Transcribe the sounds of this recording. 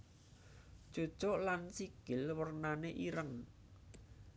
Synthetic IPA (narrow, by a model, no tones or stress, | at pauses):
d̥ʒ̥o̤̥ʒ̥ɔʔlansiɡ̥ɪlwərnaneʔiɾəŋ